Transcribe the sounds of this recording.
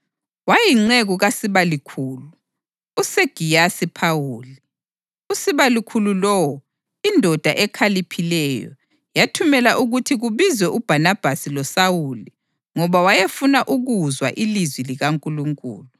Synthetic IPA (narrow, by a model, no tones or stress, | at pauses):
wajiŋ͡ǀeɣuɣasiβalikʰuːluu | useɡ̥ʱijasipʰawuːli | usiβalikʰululɔwɔ | indʱɔd̥ʱaʔɛkʰalipʰilɛjɔ̰ | jatʰumɛlaʔuɣutʰiɣuβizwɛʔub̥ʱanab̥ʱasilɔsawuli | ŋɔβawajefunaʔuɣuzwa̰ʔilizwiliɣaŋkʼuluŋkʼṵːlu